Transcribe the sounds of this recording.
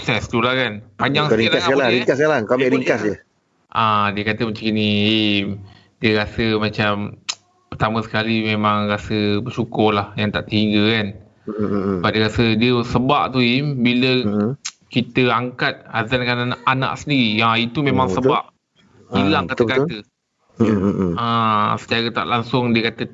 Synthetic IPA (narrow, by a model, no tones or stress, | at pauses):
sɛst̪ulahkanpaɲaŋslilaalaɾiŋkaskaɾaŋkabɛʔɾiŋkasə | ʔãdiəkat̪əmat͡ʃaŋkinie | diəɾasəmat͡ʃam | pərt̪aməsə̥kalimemaŋrasəbəsukʊlahjaŋt̪aʔt̪əiŋɡəkan | baʔ̚diəɾasədiəsəba̰ʔt̪uimbilə | kit̪əaŋkat̪̚hazankananaʔana̰ʔsəndiɾijait̪umẽmãŋsəba̰ʔ | ilaŋkat̪əkaə | asə̥t͡ʃaɾət̪a̰ʔlaŋsʊŋdiəkat̪ə